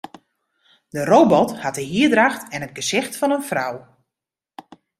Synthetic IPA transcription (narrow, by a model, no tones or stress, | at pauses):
dərowbɔthatəɦiədraxtɛnɦət̚ɡəzɪxtfɔnənfraw